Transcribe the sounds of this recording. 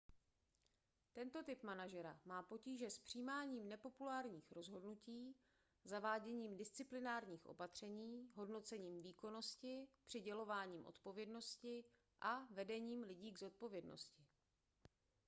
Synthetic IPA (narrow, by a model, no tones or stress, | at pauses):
t̪ɛnt̪o̞t̪ɪpmanaʒɛɾamaːpociːʒɛspr̝̥iːmaːɲiːmnɛpo̞pulaːɾɲiːxɾo̞zɦo̞dnuciː | zavaːɟɛɲiːmdɪst͡sɪplɪnaːɾɲiːxʔo̞̰pat̪r̝̥ɛɲiːɦo̞dno̞t͡sɛɲiːmviːko̞no̞scɪpr̥ɪɟɛlo̞vaːɲiːmʔo̞̰t̪po̞vjɛdno̞scɪ | ʔavɛdɛɲiːmlɪɟiːɡzo̞t̪̚po̞vjɛdno̞̰scɪ